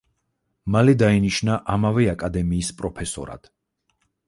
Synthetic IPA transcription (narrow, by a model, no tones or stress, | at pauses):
malɛd̪ainiʃnaʔamavɛakʼad̪ɛmiːspʼɾɔpʰɛsɔ̰ɾa̰d̪̥